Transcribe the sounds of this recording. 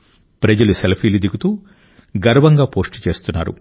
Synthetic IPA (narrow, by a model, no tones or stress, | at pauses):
pɾɐd͡ʒɐluselɐpʰiːlid̪iɡut̪uː | ɡɐɾʋɐŋɡaːpo̞ːsʈt͡ʃe̞ːst̪unːa̰ːɾṵ